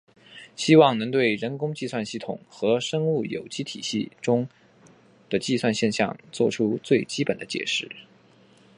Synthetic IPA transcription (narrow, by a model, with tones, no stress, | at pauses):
ɕi˥wɑ˥˩ŋnɤ˧˥ŋt̪we˥˩ɪɻə˧˥nkʊ˥ŋt͡ɕi˥˧swa˥˧nɕi˥˩t̪ʰʊ˨˩ŋxɤ˧˥ʂɤ˥ŋu˥˩jo̰˨˩ʊt͡ɕi˥t̪ʰi˨˩ɕi˥˩ʈ͡ʂʊ˥ŋ | d̪̥ə˨t͡ɕi˥˧swa˥˧nɕjɛ˥˧nɕjɑ̰˥˧ŋt͡swɔ˥˩ʈ͡ʂʰu˥t͡swe˥˩ɪt͡ɕi˥pə˨˩nd̪ə˦t͡ɕjɛ̰˨˩ʂɻ̩˥˩